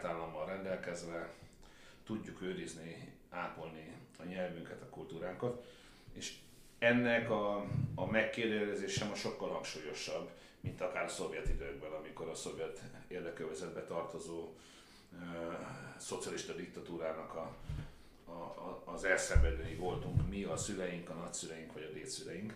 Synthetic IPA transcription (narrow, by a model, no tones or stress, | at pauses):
t̪aːlːɒmːɒlrɛnd̪ɛlkɛzʋɛ | t̪uɟːukøːɾizni | aːpo̞lniɒɲɛlvyŋkɛt̪ɒkult̪uːɾaːŋkɒt̪ | eːʃ | ɛnːɛkɒːmɛkːeːd̪ɛlɛzeːʃɛmɒʃo̞kːɒlhɒŋkʃuːjo̞ʃɒbː | mint̪ɒkaːɾɒso̞vjɛt̪id̪øɡ̚bɛnɒmiko̞ɾɒso̞vjɛt̪eːrd̪ɛkøvɛzɛd̪̚bɛt̪ɒrt̪o̞zoː | ø | so̞t̪siɒliʃt̪ɒd̪ik̚t̪ɒt̪uːɾaːnɒkɒ | zɛlsɛɱvɛløːjivo̞lt̪uŋkmiɒsylɛjiŋkɒnɒcsylɛjiŋkʋɒɟɒb̪eːt̪sylɛjiŋk